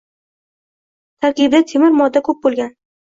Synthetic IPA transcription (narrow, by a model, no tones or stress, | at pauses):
t̪ʰaɾkʲib̚d̪at̪ʰemɪɾmɒd̪ːakʰɵp̚bolˠɡʲan